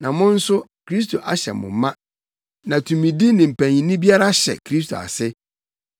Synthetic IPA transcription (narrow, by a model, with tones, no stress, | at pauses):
nã˨mʊ̃˦n̩˦sʊ˦kʰɾi˦s̬tʰo˨ʔa˨ɕɛ̰˨mʊ̰̃˨mːã˦ | nã˨tʰũ˨mĩ˨di˦nɪ̃˨m̩˨pʰæ̃˨ɲĩ˨nɪ̃˦bi˦a˦ɾa˦ɕɛ̰˨kʰɾi˦stʰo̰˨a̰˨sɪ˦